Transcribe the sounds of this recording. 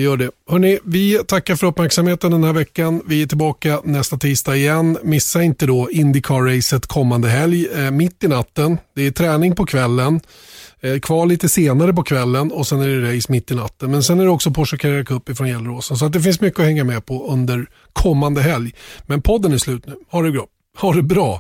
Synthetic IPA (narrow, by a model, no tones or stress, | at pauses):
jœːɖɛhœɳɪvɪt̪ʰakːaɾfœɾɵpːmæɾksamheːt̪ənd̪ɛnhæːɾvɛkːanvɪæʈʰɪlbɑːkanɛst̪at̪ʰiːst̪ɑːɪjɛnːmɪsːaɪnt̪əd̪ɔɪnd̪ɪkʰɑɾɛjsət̪kʰɔmːand̪əɦɛljmɪt̪ːɪnat̪ːənd̪̥ɛæt̪ʰɾɛːnɪŋpɔkʰvɛlːən | kʰvɑːɭiːt̪əseːnaɾəp̬ɔkʰvɛlːənɔsɛnæɖɛɾɛjsmɪt̪ːɪnat̪ːənmɛnsɛnæɖɛɔksɔpʰɔʂɛkʰaɾɛkʰaɵpːɪfɾɔnjɛlːəɾoːsəns̬ɔat̪̚d̪ɛfɪnsmʏkːəɔhɛŋːamɛpʰɔɵnd̪əɾ | kʰɔmːand̪əɦɛljmɛnpʰɔd̪ːənæslʉ̟ːt̪nʉ̟ːhaɖɵɡɾɑː | haɖɛbɾɑː